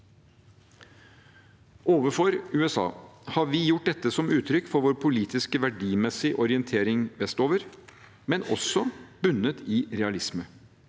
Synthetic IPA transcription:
ʔoːʋəfɔɾʉːɛsɑ̰ːhɑɾʋɪːjʊʈ̚d̪ɛt̪ːəsɔmʉːt̪ʰɾʏkːfɔɾʋoːɾpʰʊliːt̪ɪskəʋæɖiːmɛsɪʔɔɾɪənt̪ʰeːɾɪŋʋɛst̪oːʋəɾ | mɛnɔ̰sɔb̥ʉnət̪ʰɪːɾɛɑlɪsmə

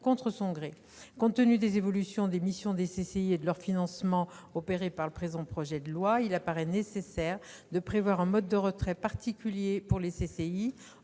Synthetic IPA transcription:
kɔ̃t̪χəsɔ̃ɡʁe | kɔ̃t̪ənyd̪ezevɔlysjɔ̃d̪emisjɔ̃d̪eseseied̪əlœʁfinɑ̃smɑ̃ɔpeʁepaʁləpχezɑ̃pχɔʒɛd̪əlwailapaʁɛnesesɛʁd̪əpχevwaʁɛ̃mɔd̪̚ːəʁət̪χɛpaʁt̪ikʲyljepuʁlesesei

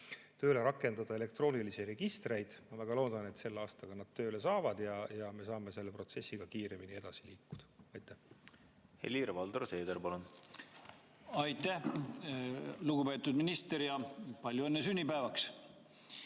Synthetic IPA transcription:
t̪ø̞ːle̞ɾɑkːˑe̞nd̪̥ɑd̪̥ɑele̞k̚t̪ro̞ːnilisire̞ɡ̥ist̪re̞jd̪̥mɑvæɡ̥ɑlo̞ːd̪̥ɑne̞t̪se̞lːɑːst̪ɑɡ̥ɑnɑd̪̥̚t̪ːø̞ːle̞sɑːvɑd̪̥jɑjɑme̞sɑːme̞se̞lːe̞pro̞t̪se̞sːiɡ̥ɑkiːɾe̞minie̞d̪ɑsiliːkːu̥d̪̥ɑ̥ɑjt̪ːæh | hḛlʲiɾevɑld̪oɾse̞ːd̪eɾpɑlun | ɑjt̪ːæh | luɡube̞ːt̪ːˑud̪̥minist̪eɾjɑpɑlʲjuenːesynʲːipæevɑks

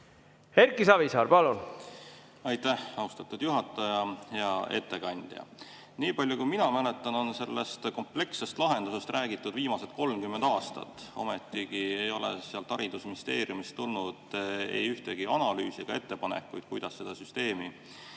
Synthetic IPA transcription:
heɾkisɑvisɑːɾpɑlun | ɑjt̪ːæhɑuwst̪ɑt̪ːˑud̪̥juɦɑt̪ːˑɑjɑheɑʔe̞̰t̪ːe̞kɑnʲd̪̥jɑ̰ | niːpɑlʲjukujminɑmæle̞t̪ːˑɑno̞nse̞lːe̞st̪ko̞mple̞kse̞st̪lɑɦe̞nd̪̥use̞st̪ɾʔæːɡit̪ːˑud̪viːmɑse̞t̪̚ko̞lmkymːend̪̥ɑːst̪ɑ̰t̪ːˑo̞̰met̪ːˑikie̞jo̞lḛseɑlt̪hɑɾid̪̥usmnist̪e̞̰ːɾjumist̪ːulnud̪̥ḛjyht̪e̞ɡ̥iɑnɑlyːsiɡ̥ɑe̞t̪ːe̞pɑnḛkːṵjt̪kujd̪̥ɑsːe̞d̪̥ɑsyst̪e̞ːmi

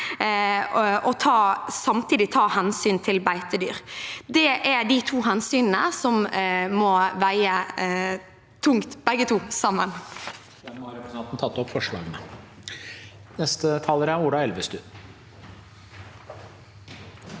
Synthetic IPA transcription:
ɔt̪ʰɑːsɑmt̪ʰiːd̪ɪt̪ʰɑːhɛnsyːnt̪ʰɪlbæɪt̪əd̪y̰ːɾd̪ɛʔæɖɪt̪ʰuːɦɛnsyːnnəsɔmmɔʋæɪə | t̪ʰʊŋt̪bɛɡət̪ʰuːsɑmːən | ɛmɑɾɛpɾʊsɑːt̪n̩t̪ʰɑt̪ːɔpfɔʂɭɑ̰ːɡənə | nɛst̪ət̪ʰɑːləɾæuːɖɑɛlʋəst̪ʉ

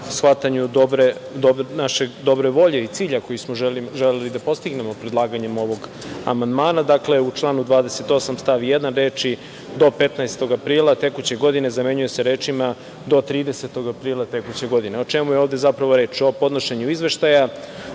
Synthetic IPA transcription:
sxʋat̪aɲud̪obɾed̪onaʃed̪o̞bɾe̞ʋo̞ʎe̞it̪siːʎako̞jismoʒeliʒelelid̪apo̞st̪iɡne̞mo̞pɾed̪lˠaːɡaɲe̞mo̞ʋo̞ɡ | a̰mand̪maːnad̪akle̞ut͡ʃlˠaːnud̪ʋaːd̪ese̞t̪o̞samst̪aʋijed̪anɾeːt͡ʃi | d̪o̞pe̞t̪naest̪o̞ɡapɾiːlˠat̪e̞kut͡ɕe̞ɡo̞d̪ine̞zame̞ɲuje̞se̞ɾeːt͡ʃima | d̪o̞t̪ɾiːd̪eset̪o̞ɡapɾiːlˠat̪e̞kut͡ɕe̞ɡo̞d̪ineot͡ʃemujeoːvd̪e̞zapɾaʋo̞ɾe̞ːt͡ʃo̞po̞d̪noʃeɲuizʋe̞ʃt̪aja

